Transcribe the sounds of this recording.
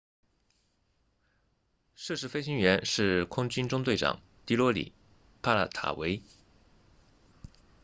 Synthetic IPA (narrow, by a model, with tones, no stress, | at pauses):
ʂ̩˥˧ʂɻ̩˥˩fe˥ɪɕi˥ŋɥɛ˧˥nʂɻ̩˥˩kʰʊ˥ŋt͡ɕy˥nʈ͡ʂʊ˥ŋt͡s̪we˥˩ɪʈ͡ʂɑ̰˨˩˦ŋ | t̪i˧˥lwɔ˧˥lḭ˨˩˦ | pʰa˥˧la̰˥˩t̪ʰa̰˨˩we˧˥ɪ